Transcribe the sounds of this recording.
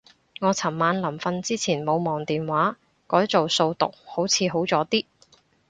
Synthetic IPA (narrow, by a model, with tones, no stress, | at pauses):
ŋɔː˨˧t͡sʰɐ˨˩mmaː˨˧nlɐ˨˩mfɐ˧nt͡siː˥t͡sʰiː˨˩nmo˨˧wmɔː˨˩ŋt̪iː˨nwaː˨˥ | kɔː˨˥jt͡so˨wso˧wt̪ʊ̰˨k̚ho˨˥wt͡sʰiː˨˧ɦo˨˥wt͡sɔː˨˥t̪iː˥